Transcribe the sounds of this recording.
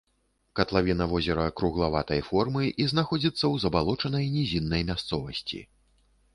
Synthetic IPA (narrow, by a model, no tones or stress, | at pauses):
kɐt̪lˠavʲinɐvɔzʲɛɾɐkɾuɣlˠavat̪ɐjfɔrmɨʔiznaxɔd͡zʲit̪sːɐwzɐbalˠɔt͡ʂɐnɐjnʲizʲinːɐjmʲast̪sɔvɐsʲt͡sʲḭ